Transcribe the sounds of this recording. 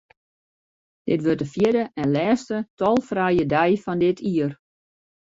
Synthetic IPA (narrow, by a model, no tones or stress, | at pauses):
d̥ɪtʋøtdəfjɪdəʔɛnlɛːstətʰɔlˠfrɛjədɛjfɔndɪtʰiər